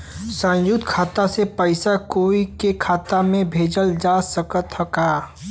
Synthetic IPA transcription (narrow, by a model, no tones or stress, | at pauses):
sə̃njʊt̪kʰaːt̪asepəɪsakoːikekʰaːt̪amẽbʱeːd͡ʒəld͡ʒaːsəkət̪ɦɐkaː